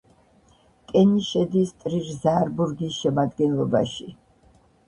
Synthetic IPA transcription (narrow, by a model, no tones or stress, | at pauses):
kʼɛniʃɛd̪ist̪ʼɾiɾzaɾbuɾɡisʃɛmad̪ɡɛnlˠɔba̰ʃi